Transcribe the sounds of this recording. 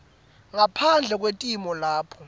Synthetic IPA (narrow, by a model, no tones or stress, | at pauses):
ŋapʰand͡ɮʱɛk̬wentʼimɔlaːpʰɔ